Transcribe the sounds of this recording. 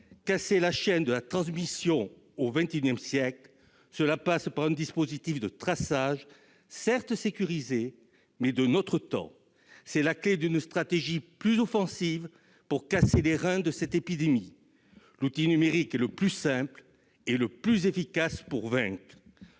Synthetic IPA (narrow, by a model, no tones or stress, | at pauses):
kaselaʃɛnd̪əlat̪χɑ̃smisjɔ̃ | ovɛ̃t̪eynjɛmsjɛkl | səlapaspaʁɛ̃d̪ispozit̪ifd̪ət̪χasaʒ | sɛʁt̪sekʲyʁize | mɛd̪ənɔt̪χət̪ɑ̰̃ | sɛlakled̪ynst̪χat̪eʒiplyzɔfɑ̃siv | puʁkaseleʁɛ̃d̪əsɛt̪epid̪emi | lut̪inymeʁikɛləplysɛ̃pl | eləplyzefikaspuʁvɛ̃kχ